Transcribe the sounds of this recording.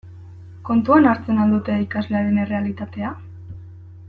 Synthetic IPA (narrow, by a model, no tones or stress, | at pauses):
ko̞nt̪uanaɾt͡senaðut̪e̞ikazleaɾe̞ne̞re̞alit̪at̪e̞a